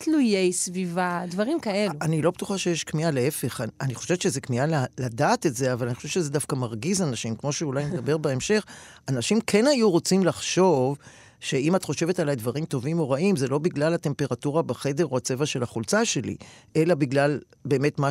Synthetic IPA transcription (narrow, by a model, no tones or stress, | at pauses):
tlujejsvivadvɐʁimkaeluanilo̞bet̪uχaʃejeʃkmialee̞fe̞χaniχoʃe̞vetʃezekmialaladaːtetzeavalanixoʃevt͡ʃezedafkamaʁɡizanaʃimkmo̞ʃeulajmed̪abe̞ʁbaemʃe̞χanaʃimkʰe̞nhajuʁo̞t͡simlaχʃo̞v | ʃe̞imat̪χo̞ʃevetalajd̪vaʁimt̪o̞vimo̞ʁaʔimzelo̞biɡlalhate̞mpeʁatuʁabaχe̞de̞ʁoat͡se̞vaʃe̞laχult͡saʃe̞lḭʔe̞labiɡlal | be̞ːme̞tma